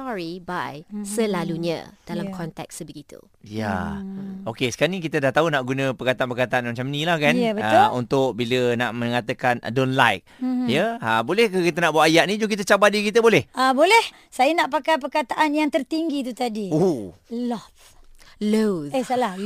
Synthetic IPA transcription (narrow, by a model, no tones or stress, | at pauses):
sɔɹibajsəlaluɲa̰d̥alamkʰɔnt̪ɛ̰k̚səbəɡit̪ṵ | ja̰ | okesə̥kaɾanikit̪ədaht̪aɦunaʔɡunə̃pərkat̪aʔanpərkat̪aanmat͡ʃamnĩlahkanjəbət̪ːṵnt̪ʊk̚biləna̰ʔməŋat̪əkana̰donla̰jk̚jəəbolɛhkəkit̪ənaʔbuwaʔajaʔnĩd͡ʒuŋkit̪ət͡ʃabat̪̚dikit̪əbolɛhabolɛh | sajənaʔpakajp̬ərkat̪aʔanjaŋt̪ərt̪iŋɡit̪̬ut̪adiulɔt | loəsəla